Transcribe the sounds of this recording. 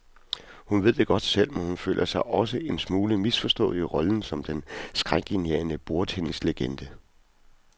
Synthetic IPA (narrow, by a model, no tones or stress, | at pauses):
hunʋe̝ð̞̰ˠd̥e̝ɡ̥ɒ̽d̥sel̰menhunfø̰ːlʔɐsɑ̈ɪʔɒ̽s̬əʔe̝nsmuːləmisfɒ̽sd̥ɔ̽ːliəʁɒ̽ln̩sɒ̽md̥ensɡ̥ʁaŋ̰ɡ̥eniḛːnəb̥o̝ɐt͡sʰenŋsleɡ̥end̥ə